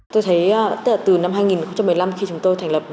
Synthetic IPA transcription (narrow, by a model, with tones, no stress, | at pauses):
t̪o˧jt̪ʰə˨˦jt̪̚laː˨˩t̪ɨ˨˩na˧mɦaː˧jŋi˨˩nxŋ͡mt͡ɕa˧mːɨ˨˩jla˧mxi˧t͡ɕʊ˨˦ŋ͡mt̪o˧jt̪ʰŋlə˨˩p̚